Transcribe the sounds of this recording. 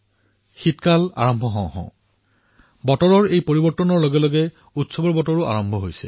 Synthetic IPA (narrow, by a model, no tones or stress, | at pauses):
xitkala̰ɹɔmbʱɔɦɔ̃w̃ɦɔ̰̃ʊ̃ | bɔtɔɹɔɹejpoɹibɔɹtːɔnɔɹloɡɛlɔɡɛ | utsɔbɔɹbɔtɔɹʊa̰ɹɔmbʱɔɦojsɛ̰